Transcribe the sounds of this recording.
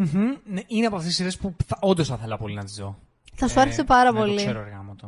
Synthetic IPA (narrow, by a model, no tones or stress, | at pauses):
m̩x̩neineɐpoɐft̪esiɾespuθɐond̪o̞sθɐθelɐpo̞linɐt̪izðo̞̰ | θɐsuɐɾesepɐɾɐpo̞lsieɾoeɾɣɐmɐt̪o